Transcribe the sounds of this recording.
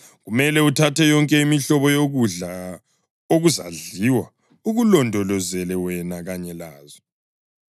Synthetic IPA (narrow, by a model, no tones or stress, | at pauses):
ɣumɛlɛutʰatʰɛjɔŋkʼɛimiɬɔβɔjoɣuɮa | oɣuza̰ɮiwa | uɣulɔndʱɔlɔzɛlɛwɛnaɣaɲɛlaːzɔ